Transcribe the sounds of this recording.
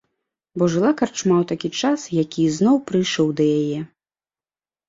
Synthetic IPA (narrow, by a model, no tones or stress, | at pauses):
bɔʐɨlˠakart͡ʂmawt̪akʲit͡ʂasjakʲiznɔwpɾɨjʂɔwd̪ɐjajɛ